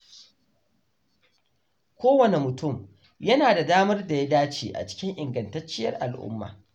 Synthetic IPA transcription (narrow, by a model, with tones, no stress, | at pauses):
kʷʰoː˦wɐ˨ne˨mʊ˨tʊ˦˨m | jɐ˦naː˨da˨daː˦mɐ˦rda˨ja˦daː˦t͡ʃḭː˨ʔa̰˨t͡ʃɪ̥˦kʲɪ˦ŋʔɪ˨ŋɡɐ˨ntɐ˦t͡ʃːɪ˦jɐ̰˦rʔa˨lʔʊ̰˦mːa̰ː˨